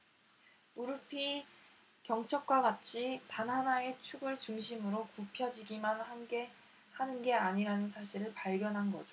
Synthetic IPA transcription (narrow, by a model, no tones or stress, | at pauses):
uɾɯpʰi | kjʌŋt͡ɕʰʌk̚k͈waɡat͡ɕʰitanɦanae̞t͡ɕʰuɡɯɭt͡ɕuŋɕʰimɯɾokupʰjʌd͡ʑiɡimanaɡe | hanɯnɡe̞aɲiɾanɯnsʰaɕʰiɾɯɭpaɭɡjʌnɦanɡʌ̰d͡ʑo